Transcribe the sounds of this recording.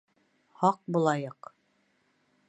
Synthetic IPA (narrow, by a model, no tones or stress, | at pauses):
hɑq̚bulˠɑjɤq